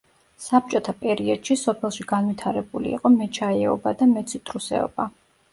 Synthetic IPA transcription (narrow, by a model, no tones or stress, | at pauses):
sap̚t͡ʃʼɔt̪ʰapʼɛɾiɔd̪̥ʃisɔpʰɛlˠʃiɡanwit̪ʰaɾɛbulḭːqʼɔmɛt͡ʃʰaɛɔbad̪amɛt̪sʰut̪ʰʼɾusɛ̰ɔ̰ba